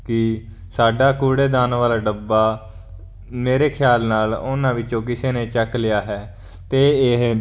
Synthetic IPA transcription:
kɪ | saːɖaːkuːɽeːd̪aːnʋaːlaːɖəbːaː | meːɾeːkʰjaːlnaːlʊnãːʋɪt͡ʃõːkɪseːnẽːt͡ʃəklɪjaːɦɛː | t̪eːɪɦ

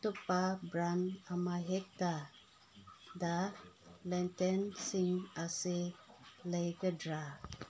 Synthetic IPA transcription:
t̪upabɾanamaɦek̚ta | dalɛntensiŋaseləjkədɾa

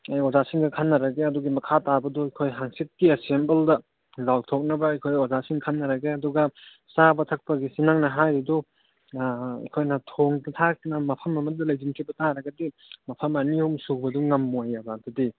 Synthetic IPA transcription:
ajozasiŋɡɐkʰanːɐɾɐɡeɐduɡimɐkʰatabɐdɔɐkʰojɦaŋsit̚kiesembeldɐ | lawtʰok̚nɐbɐɐjkʰojozasiŋkʰanːɐɾɐɡeɐduɡɐ | sabɐtʰɐk̚pɐɡisinaŋnɐɦajɾidɔ | ɐ̰kʰojnɐtʰoŋdtʰak̚nɐmɐpʰɐmːɐmɐt̚dɐlɐjd͡ʒinkʰibɐtaɾɐɡɐdi | mɐpʰɐmɐniumsuk̚bɐduŋɐmːojabadɐdi

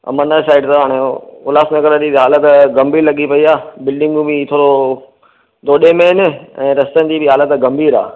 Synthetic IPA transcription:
ɐ̰mənəsaːɪɖt̪ɐɦaːɽ̃eʊlaːsnẽkɐɾət̪iɦaːlət̪ɡɐmbʱiːlɐɠipɐiaːbɪlɖɪ̃ŋɡũbit̪ʰoːɽo | d̪oːɗemẽɦɪnɪɛ̃ːɾɐst̪ənd̪ibɪɦaːlət̪ɡɐmbʱiːɾa̰ː

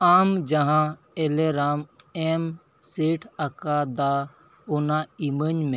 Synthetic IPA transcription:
aːmd͡ʒəɦã | eleɾaːmem | seːʈʰakad̪aː | ʊnaimənmẽ

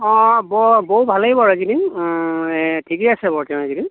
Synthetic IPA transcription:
ɔ̃bɔboɦubʱalejbɔɹazidiŋ | tʰikiasɛbɔɹtɛ̃azidim

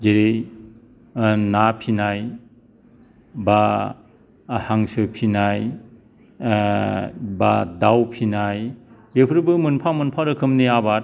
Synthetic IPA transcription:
d͡ʒeɾej | napʰinaj | ba | haŋsɯpʰinaj | badawpʰinajbepʰɾɯbɯmɯnpʰamɯnpʰaɾɯkʰɯmniabat

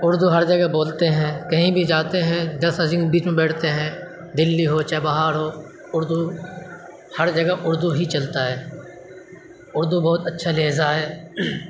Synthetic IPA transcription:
ʊɾd̪uɦəɾd͡ʒəɡəboːlt̪eɦɛ̃ːkɐɦĩbʱid͡ʒaːt̪eɦɛ̃ːd̪ɐsəzĩŋbiːt͡ʃmẽbɛːʈʰt̪eɦɛ̃ː | d̪ɪlːiɦoːt͡ʃabaɦaːɾɦoː | ʊɾd̪u | hɐɾd͡ʒəɡəʔʊɾd̪uɦit͡ʃɐlt̪aɦɛː | ʊɾd̪ubɔːt̪ətːʃʰaleːzaɦɛː

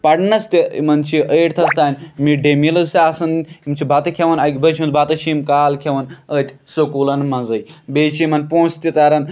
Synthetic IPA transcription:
pɐɽnɐst̪imɐnt͡ʃʰiʔəːʈt̪ʰɐst̪aːnʲmiɖemilɐzt̪ʲasɐnimt͡ʃʰibat̪ɐkʰʲeʋɐnaɡʲbɐt͡ʃʰimunt̪bat̪ɐt͡ʃʰimkaːlkʲʰeʋɐnət̪ʰʲsokulɐnmɐ̃nzɐjbeːt͡ʃʰimɐnpõːst̪it̪ɐɾɐn

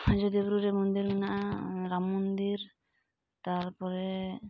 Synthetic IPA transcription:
d͡ʒɔd̪ibɾuɾɛmɔnd̪iɾminaʔaɾamɔnd̪iɾ | t̪aɾpɔɾɛ

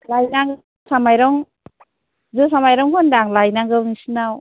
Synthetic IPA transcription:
lajnaŋɡ | samajɾɔŋ | zɯsamajɾɔŋhɔndaŋlajnaŋɡɯnisinaw

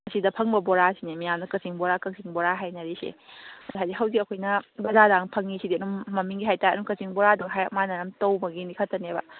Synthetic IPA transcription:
ɐsidɐpʰɐŋbɐboɾasinemijamnɐkɐsiŋboɾakɐk̚siŋboɾaɦajnɐɾisḛɦajziɦawzikɐkʰojnɐbɐzadaŋpʰɐŋisidiɐnumɐmiŋɡiɦajtajɐ̰nukɐsiŋboɾaduɡɦajɐmanɐɾɐmtɐwbɐɡinikʰɐtːɐnebɐ̰

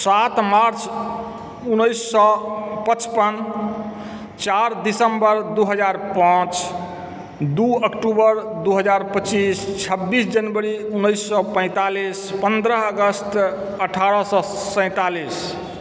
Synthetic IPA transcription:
sat̪maɾt͡ʃʰ | unəjsːɔpət͡ʃpən | t͡ʃaɾd̪isəmbəɾd̪uɦəd͡ʒaɾpãt͡ʃ | d̪uəkʈubəɾd̪uɦəd͡ʒaɾpət͡ʃist͡ʃʰəbːisd͡ʒənbəɾiunəjsːɔpə̃ɪ̃t̪alispənd̪ɾəɦəɡəst̪ | əʈʰaɾɔsɔ | sə̃ɪ̃t̪alis

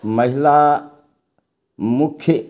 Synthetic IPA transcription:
mɐɦila | mukʰːe

